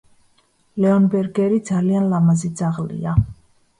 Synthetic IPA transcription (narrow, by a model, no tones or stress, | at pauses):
lɛɔnbɛɾɡɛɾid̪zalianlamazid̪zaʁlḭa